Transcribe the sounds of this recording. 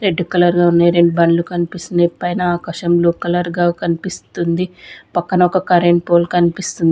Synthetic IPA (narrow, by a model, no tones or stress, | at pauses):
ɾe̞ɖːukɐlɐɾɡaːunːaːjɾeɳɖubɐnlukɐnipist̪unɐpɐjnɐːkɐʂɐmloːkɐlɐɾɡaːkɐnipist̪und̪ipɐkːɐnɐɔkɐkɐɾeɳʈpoːlkɐnipist̪und̪i